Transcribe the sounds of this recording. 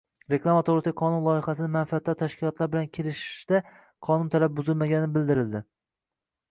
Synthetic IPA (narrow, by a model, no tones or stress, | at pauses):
ɾeklˠamat̪ʰoɾɪsqʰɒnʊnlˠɒɪχasɪnɪmanfiat̪ʰːɒɾt̪ʰaʃkʲʰɪlˠɒt̪laɾbɪlankʲʰelɪʃɪ̥ʃd̪̥a | qʰɒnʊnt̪ʰalap̚bʊzɪlmaɡʲannɪbɪld̪ɪɾɪld̪ɪ